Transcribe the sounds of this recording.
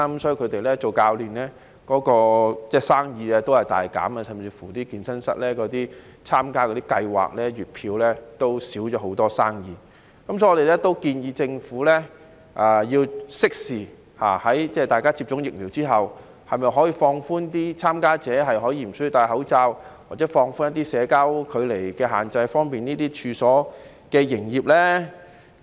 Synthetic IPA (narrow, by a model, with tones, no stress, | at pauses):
kɐ˦msɔː˨˥i˨˧˩kʰɵ˨˧t̪e˨jlɛː˥t͡so˨wkaː˧wliː˨nlɛː˥ | kɔː˨˥kɔː˧t͡sɛː˥˩saː˥ŋjiː˨˧ɛ˧t̪o˥whɐ˨jt̪a̰ː˨˩jka̰ː˨˥mɐ˧sɐ˨mt͡siː˧fu˨˩t̪iː˥kiː˨nsɐ˥nsɐ̰˥t̚lɛː˥kɔː˨˥t̪iː˥ | t͡sʰaː˥mkaː˥kɔː˨˧˥t̪i˥kɐ˧jwa̰ː˨k̚lɛː˥ɥyː˨˩t̚pʰiː˧wlɛː˥t̪o˥wsiː˨˥wt͡ʃɔː˨˥ɦo˨˧˥wt̪ɔː˥saː˥ŋjiː˨˧ | kɐ˨˥msɔ˨˥ɔː˨˧e˨jlɛ˥t̪o˥wkiː˧njiː˧t͡sɪ˧ŋfuː˨˥lɛː˥ | ʔaː˨˩jiː˧wsɪ˥k̚siː˨ | ha̰ː˨˩hɐ˨˥jt͡sɛː˥˨t̪aː˨jkaː˥t͡siː˧p̚t͡ʃʊ˨˥ŋjɪ˨k̚liː˨˩wt͡siː˥ɦɐ˨w | hɐ˨jmɐ˨jɦɔː˨˥jiː˧fɔː˧ŋfuː˥nt̪iː˥t͡sʰaː˥mkaː˥t͡sɛː˨˥ɦɐ˨jɦɔː˨˥jiː˧˩m̩˨˩sɵ˥ji˧wt̪aː˧jɦɐ˨˥wt͡saː˧wwaː˨k̚t͡sɛː˨˥fɔː˧ŋfuː˥nɐ˥t̪̬ːiː˥sɛː˨˧kaː˥wkʰɵ˨˧ɥle˨˩jkɛː˧ɦaː˨˩nt͡sɐ˧jfɔː˥ŋpiː˨niː˥t̪iː˥t͡ʃʰyː˨˧sɔː˨˥ | kɛː˧jɪ˨˩ŋjiː˨p̚lɛː˥